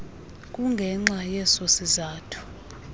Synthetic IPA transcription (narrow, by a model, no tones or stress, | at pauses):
kʼuŋɡʱɛŋ͡ǁajɛsosizaːtʰu̥